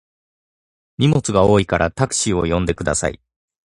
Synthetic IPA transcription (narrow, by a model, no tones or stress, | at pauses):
ɲ̟ʲimo̞t͡sɨɡao̞ːikaɾʔat̪akɯ̟̥ɕio̞jõ̞nd̪e̞kɯ̟d̪a̰sa̰ḭ